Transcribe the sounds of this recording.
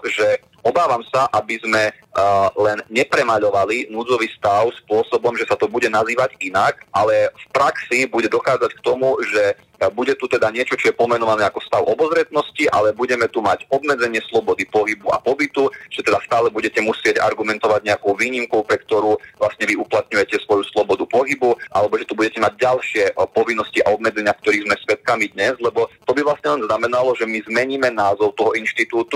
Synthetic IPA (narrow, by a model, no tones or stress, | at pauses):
ʒɛ | ɔbaːʋamsaʔabizmɛ | lɛnɲɛpɾɛmaʎɔʋalinuːd͡zɔʋiːst̪aʊspʊɔsɔbɔmʒɛsat̪ɔbuɟɛnaziːʋaɟinakʔalɛfpɾaksibuɟɛd̪ɔxaːd͡zackt̪ɔmuʒɛ | buɟɛt̪ut̪ɛd̪aɲɪɛt͡ʃɔt͡ʃɔjɛpɔmɛnɔʋanɛːakɔst̪aʊʔɔbɔzɾɛt̪nɔsciʔa̰lɛbuɟɛmɛt̪umaɟɔbmɛd͡zɛɲɪɛslɔbɔd̪ipɔɦibua̰pɔbit̪uʒ̥ɛt̪ɛd̪ast̪aːlɛbuɟɛcɛmusɪɛɟa̰ɾɡumɛnt̪ɔʋaɟɲɛakɔʊʋiːɲimkɔʊpɾɛkt̪ɔɾuːʋlasɲɛʋiuplat̪̚ɲujɛcɛsʋɔjuslɔbɔd̪upɔɦibuʔa̰lɛbɔʒɛt̪ubuɟɛcɛmaɟ̚ɟalʃɪɛpɔʋinːɔscia̰ɔbmɛd͡zɛɲɪakt̪ɔɾiːɣzmɛsʋɛt̪̚kamid̪ɲɛzlɛbɔt̪ɔbiʋlasɲɛlɛnznamɛnalɔʒɛmizmɛɲiːmɛnaːzɔʊt̪ɔɦɔinʃt̪it̪uːt̪u